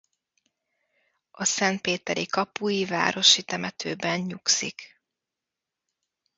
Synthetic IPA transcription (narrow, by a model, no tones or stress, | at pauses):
ʔɒsɛnt̪̚peːt̪ɛɾikɒpujiva̰ːɾo̞ʃit̪ɛmɛt̪ʰøːbɛnɲuksik